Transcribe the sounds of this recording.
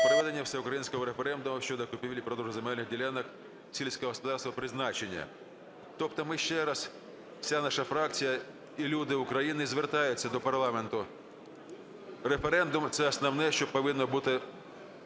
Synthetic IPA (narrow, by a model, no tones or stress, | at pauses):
pɾʋɛd̪e̞nʲːɐwsʲɛʊkɾɐjinʲsʲkɔɦɔɾefeɾɛnd̪ʊmʊʃʲt͡ʃɔd̪ɔkʊpʲiʋʲlʲipɾɔd̪ɾʊɦɔzʊmɛlʲnɪɣdʲilʲɛnɐk | sʲilʲsʲkɔɦɔɦɔspʊd̪ɑrst̪ʋɐpɾɪznɑt͡ʃenʲːɐ̰ | t̪ɔpt̪ɔmɪʃt͡ʃɛɾɐs | wsʲanɑʃɐfɾɑkt͡sʲijɐ | ilʲud̪ɪʊkɾɐjinɪzʋert̪ɑjʊt͡sʲːɐd̪ɔpɐrlˠɑment̪ʊ | ɾefeɾɛnd̪ʊmt̪sɛɐsnɐwnɛʃt͡ʃɔpɔʋɪnːɔbut̪ɪ